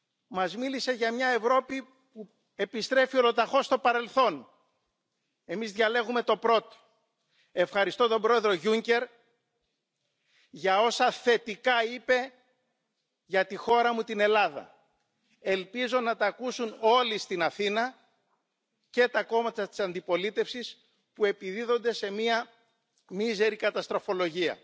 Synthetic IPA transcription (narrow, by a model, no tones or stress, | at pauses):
mɐzmilise̞ʝɐmɲɐe̞vɾo̞pi | pu | e̞pist̪ɾe̞fio̞lot̪ɐxo̞st̪o̞pɐɾe̞lθo̞n | e̞mizðʝɐle̞ɣume̞t̪o̞pɾo̞t̪o̥ | e̞fxɐɾist̪o̞t̪o̞bɾo̞e̞ðɾo̞ʝuɲce̞ɾ | ʝɐo̞sɐθe̞t̪ikɐipe̞ | ʝɐt̪ixo̞ɾɐmut̪ine̞lɐðɐ̰ | e̞lpizo̞nɐt̪ɐːkusuno̞list̪inɐθinɐ | ce̞t̪ɐko̞mɐt̪ɐt̪i̥sɐnd̪ipo̞lit̪e̞fsis | pue̞piðiðo̞nd̪e̞se̞miɐ | mize̞ɾikɐt̪ɐst̪ɾo̞fo̞lo̞ʝiɐ̰